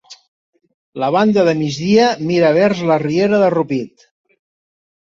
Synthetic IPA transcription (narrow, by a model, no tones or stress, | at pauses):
ləβ̞and̪əðəmizðiəmiɾəβɛɾzlərieɾəðərupit̪